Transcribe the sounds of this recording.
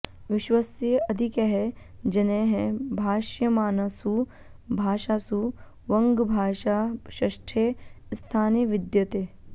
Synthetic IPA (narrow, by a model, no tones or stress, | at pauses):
ʋɪʃʋɐsɐd̪ʱikɐɦɛd͡ʒɐneɦɛ̃bʱaːʃjɐmaːnɐsu | bʱaːʃaːsu | ʋɐ̃ŋɡbʱaːʃaːʃɐʃʈʰest̪ʰaːnijʋɪd̪jɐt̪eː